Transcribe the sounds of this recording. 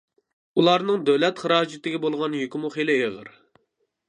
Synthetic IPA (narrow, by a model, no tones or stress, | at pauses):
ulˠɑɾnɨŋd̪ɛwlɛt̪χəɾɑːd͡ʒɪt̪ɪɡʲibolˠʁɑnjykʲmuχelɪɦeʁə̰ɾ